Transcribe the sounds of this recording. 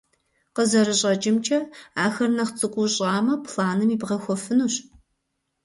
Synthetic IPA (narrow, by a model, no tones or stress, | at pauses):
qəzɐɾɨɕʼɐt͡ʃʼɪmt͡ʃʰʼɐaːxɐrnɐχt͡sʼɨkʷʼuɕʼɑːmɐpʰɬaːnɨmiːbʁɐxʷɔfɨnuːɕ